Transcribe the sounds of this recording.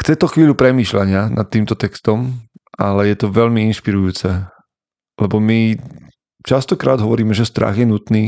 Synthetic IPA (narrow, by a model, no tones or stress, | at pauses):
xt͡sɛt̪ɔxʋiːʎupɾɛmiːʃlaɲɪana̰t̪ːiːmt̪ɔt̪ɛkst̪ɔmʔalɛjɛt̪ɔʋɛʎmiinʃpiɾujuːt͡sɛ | lɛbɔmi | t͡ʃast̪ɔkɾaːd̪ɦɔʋɔɾiːmɛʒɛst̪ɾa̰ɣjɛnut̪niː